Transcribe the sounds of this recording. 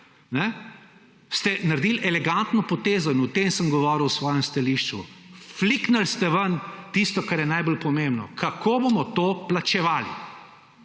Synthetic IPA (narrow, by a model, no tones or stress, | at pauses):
nɛ | st̪ɛnaɾd̪iːlʔɛlɛɡant̪nɔpɔt̪eːzɔinɔt̪emsəmɡɔʋɔɾiwsʋɔːjɛmst̪aliʃt͡ʃṵfliknalst̪ɛʋənt̪ist̪ɔkaɾjɛnajbolpɔmẽmbnɔ̰kʰakʰoːbomɔt̪oːplat͡ʃɛʋaːlḭ